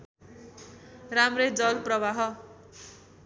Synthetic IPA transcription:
ramred͡zʌlprʌβaɦʌ

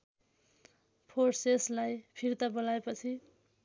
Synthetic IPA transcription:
pʰoʈseslajpʰiɾt̪abolaepʌt͡sʰi

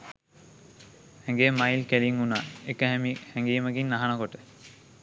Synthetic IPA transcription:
hɛŋɡemajlkeliŋunaːekəɦæmihɛŋɡiːməɡinːaɦanokoʈə

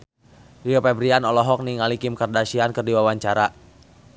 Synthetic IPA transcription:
riopɛbɾianɔlɔɦɔk̚niŋalikimkardaʃiankɨrdiwawaɲt͡ʃaɾa

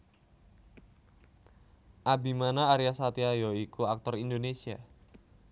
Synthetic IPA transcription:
ʔabimanaːɾiasat̪iajɔikuak̚t̪ɔrindonesia

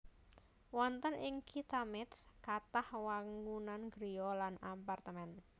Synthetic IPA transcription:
wɔnt̪ənʔɪŋkʰit̪amɪt̪skat̪ahwaŋunanɡɾijɔlanapart̪əmɛn

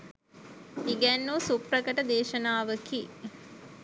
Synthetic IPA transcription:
iɡænːusuprəkəʈəd̪eːʃənaːʋəki

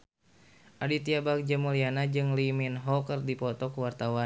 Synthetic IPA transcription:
ʔadit̪iabak̚d͡ʒamulianad͡ʒɨŋliminɦɔkərdipɔt̪ɔkəwart̪awan

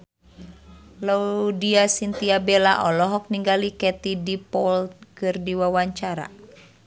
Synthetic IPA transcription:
laudiasint̪iabelaʔɔlɔɦɔk̚niŋɡalikɛt̪idipɔlt̚kɨrdiwawaɲt͡ʃaɾa̰

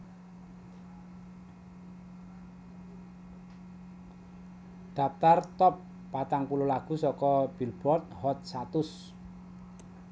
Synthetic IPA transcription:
ɖ̥a̤p̚t̪art̪ɔpː | at̪aŋkulolaɡ̥ṳsɔkɔb̥ilb̥ɾɔt̪̚hɔt̪̚sat̪ʊs

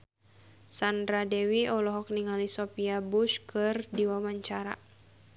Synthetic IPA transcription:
sandɾadɛwiɔlɔɦɔk̚niŋalisɔpiabuʃkɨrdiwamaɲt͡ʃaɾa̰

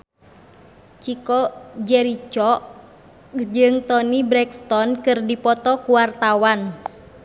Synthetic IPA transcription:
t͡ʃikɔd͡ʒɛɾit͡ʃɔʔ | d͡ʒɨŋt̪ɔnibɾɛkst̪ɔnkɨrdipɔt̪ɔkuwart̪awan

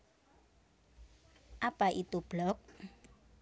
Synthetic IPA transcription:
ʔapaʔit̪ub̥lɔk̚

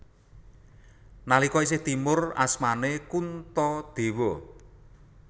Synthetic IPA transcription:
nalikɔis̬ɪht̪imʊra̰smanekunt̪ɔd̪̥e̤wɔ

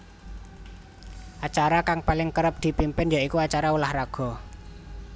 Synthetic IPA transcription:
ʔat͡ʃaɾakaŋpalɪŋkəɾəp̚d̪̥i̤pimpɪnjaikuat͡ʃaɾaulahraɡ̥ɔ̤

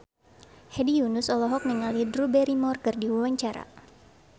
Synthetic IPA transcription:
hɛdijunʊsɔlɔɦɔk̚niŋalidrubɛɾimɔrkərdiwuwaɲt͡ʃaɾa̰

